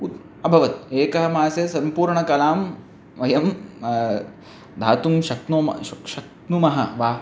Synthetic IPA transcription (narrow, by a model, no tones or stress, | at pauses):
ut̪ | ɐbʱɐʋɐt̪̚eːkɐɦɐmaːsɐsɐmpuːɾɳɐkɐlaːm | ʋɐjɐm | d̪ʱaːt̪umʃɐknomʃɐk | numɐɦɐʋaː